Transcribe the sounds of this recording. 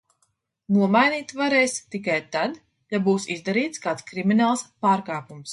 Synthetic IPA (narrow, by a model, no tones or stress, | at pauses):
nuɔmajniːt̪vaɾɛːst̪ikajt̪ad̪ | jabuːsizd̪aɾiːt̪skaːt̪skɾiminaːlˠspaːɾkaːpums